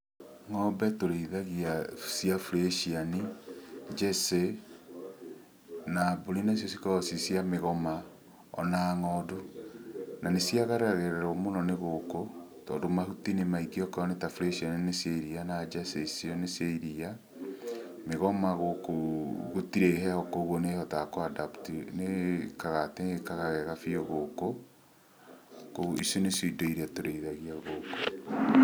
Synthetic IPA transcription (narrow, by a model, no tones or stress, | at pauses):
ŋɔbɛtoɾeiðaɣiasjafuleʃiani | d͡ʒɛse | nabolinas̬jɔsikaɔsisjameɣɔma | ɔ̰naŋɔdo | nanesjaɣaɾeaɣeɾɛɾomonɔneɣokotɔːndomahutinemaikiɔkɔnetaflesiɔnneseɾianad͡ʒasesiɔneseiɾia | meɣɔmaɣokoɣotiɾehɛɔkoɣonehɔtakoadaptinekaɣatekaɣaɣɛɣafioɣoko | koɣoisoneseidoiɾatoɾeiðaɣiaoɣoko̥